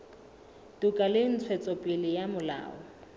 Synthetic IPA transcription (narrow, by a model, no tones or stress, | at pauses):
tukʼalɪn̩t͡sʰwɛt͡sʼɔpʼɪlɪjamʊla̰ːɔ